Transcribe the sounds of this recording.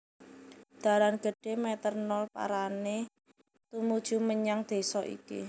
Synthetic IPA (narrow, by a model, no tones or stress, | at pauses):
d̪̥a̤ɾanɡ̥ə̤ɖ̥e̤mɛt̪ərnɔlpa̰ɾane | t̪umud̥ʒ̥ṳməɲaŋd̪̥e̤sɔʔḭkḭ